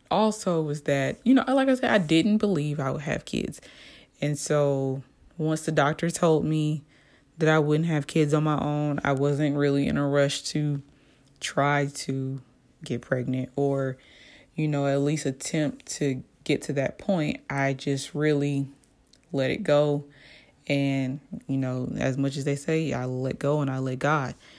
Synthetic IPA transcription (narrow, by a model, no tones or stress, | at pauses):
ʔɔlˠsoʊwʌzðɨt̚jɨnoʊʔalaɪkaɪsɛa̰ɪdɪdⁿn̩b̥əlivaɪwəd̚ɨ̰v̥kʰɪ̰dz̥ | ɨ̃nsoʊ | wʌ̃nsðɨdɔk̚tə˞tʰoʊlˠd̚mi | ðɨɾaɪwʊdⁿn̩t̚ɦɨv̥kʰɪdzn̩maɪʔõʊ̃na̰ɪwʌzɨ̃nʔ̚ɹɪlˠiɨ̰̃nəɹʌʃtʰɨ | tʰɹ̥aɪɾɨ | ɡɛt̚pʰɹ̥ɛɡ̚nɨ̃nt̚ə˞ | jɨnoʊɨtˡlistɨtʰɛ̃mp̚tʰɨɡ̥ɛtʰɨðɨt̚pʰɔ̃ɪ̃ntʔaɪd͡ʒʌst̚ɹɪlˠi | lɛɾɨ̰t̚ɡ̥oʊ | ɨ̃njɨnoʊɨ̰zmʌt͡ʃɨzðeɪseɪa̰ɪlɛ̰t̚ɡ̥oʊə̃naɪlɛt̚ɡ̥ɑd̥̚